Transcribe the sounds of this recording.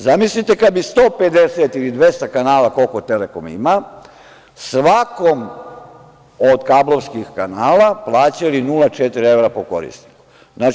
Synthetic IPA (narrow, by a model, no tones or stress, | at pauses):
zamislit̪ekad̪̚bist̪o̞ːped̪eset̪ilid̪ʋest̪akanaːlako̞lko̞t̪elekomḭma | sʋako̞m | od̪kablo̞ʋskixkanaːlaplˠaːt͡ɕalinulˠat͡ʃet̪ɾieʋɾapoko̞̰ɾḭsni̥ku | na